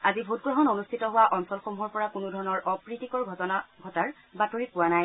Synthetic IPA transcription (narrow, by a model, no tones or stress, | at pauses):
azibʱut̚ɡɹɔɦɔnonustʰitɔɦʊwaʔɔnsɔlxomuɦɔɹpɔɹakunʊdʱɔɹɔnɔɹʔɔpɹitikɔɹʱtɔnaɡʱɔtaɹ | batoɹipʊwanaj